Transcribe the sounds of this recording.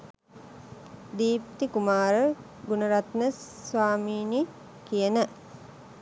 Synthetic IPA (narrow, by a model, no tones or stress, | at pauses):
d̪iːp̚t̪ikumaːɾə | ɡunəɾat̪nəssʋaːmiːni | kijənə